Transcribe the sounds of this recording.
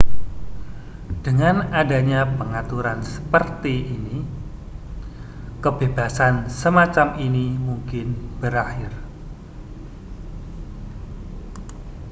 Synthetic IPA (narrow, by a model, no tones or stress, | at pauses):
d̥əŋanadaɲapəŋat̪uɾansə̥pərt̪iini | kəb̥ebasansəmat͡ʃaminimuŋkɪnb̥əɾahɪr